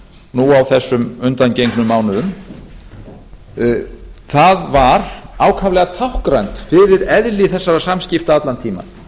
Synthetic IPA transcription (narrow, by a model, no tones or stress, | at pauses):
nuawθɛsːʏmʏnt̪ancejŋknʏmːaːwnʏðʏm | θaðvaɾ̥aːwkʰavlɛɣat̪ʰawhkɾajnt̪fɪɾɪɾɛðlɪθɛsːaɾasamscɪft̪aat̪lant̪ʰiːma̰